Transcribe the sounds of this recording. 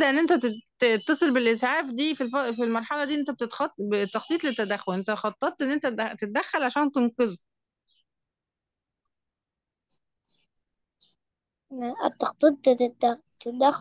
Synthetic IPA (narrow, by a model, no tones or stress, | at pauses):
d̪æʔenːʔent̪æ | et̪ːɑsˤelbelʔesʕaːfd̪iːfilfɑfilmɑɾˤħɑlɑd̪iːʔnt̪æb̚et̪et̪xɑt̪bet̪ːɑxt̪ˤiːt̪ˤlet̪ːæd̪æxːolʔent̪æxɑt̪ˤːɑt̪ˤːʔenːʔent̪ææt̪et̪æd̪æxːælʕaʃæːnt̪enkez | t̪ːɑqt̪ˤiːt̪̚ | t̪et̪d̪æx